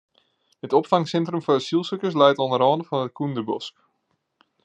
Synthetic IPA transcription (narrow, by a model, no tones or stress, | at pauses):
hətɔpfɑŋsɛntrəmfɔasilˠsøkəs̬lɛjtɔnəɾɔːndəfɑnət̚kʰundəbɔsk